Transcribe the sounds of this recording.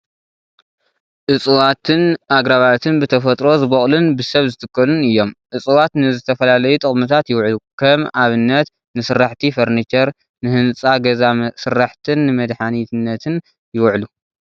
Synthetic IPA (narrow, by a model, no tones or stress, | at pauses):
ʔɨt͡sʼɨwat̪ʰɨnʔaɡɾaβat̪ʰɨnbɨt̪ʰɐfɐt̪ʼɾo̞zɨβɐχʼlunbɨsɐβzɨt̪ʰɨkːɐlunɨjːo̞mʔɨt͡sʼɨwat̪nɨzɨt̪ʰɐfɐlalɐjut̪ʼɨχʼmɨt̪ʰat̪jɪwʕlukʰɐmaβɨnːɐt̪ | nɨsɨɾaħt̪ʰifɐɾnit͡ʃɐɾ | nɨhɨnt͡sʼaɡɐzasɨɾaħt̪ʰɨnːɨmɐd̪ħanit̪ɨnːɐt̪ʰɨn | jɪwʕlu